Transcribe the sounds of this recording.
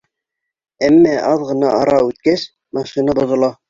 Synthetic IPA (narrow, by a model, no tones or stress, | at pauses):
æmːæʔɑðʁɤ̆nɑɑɾɑʉt̪̚kæs | mɑʃinɑbŏðŏlˠɑ